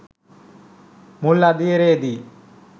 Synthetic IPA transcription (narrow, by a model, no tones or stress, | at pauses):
mulɐd̪ieɾeːd̪i